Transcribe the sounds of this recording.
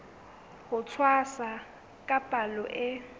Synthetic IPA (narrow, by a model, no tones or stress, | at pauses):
hʊt͡sʰwasa | kʼapʼalɔʔɪ